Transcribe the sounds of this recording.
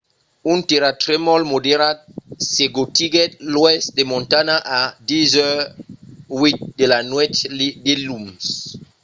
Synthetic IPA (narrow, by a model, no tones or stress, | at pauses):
unt̪eɾatɾɛmɔlmodeɾat̚seɡot̪iɡɛt̚lwɛstd̪emɔ̃ntanaʔadizø | wit̚delanwɛt̪lidelums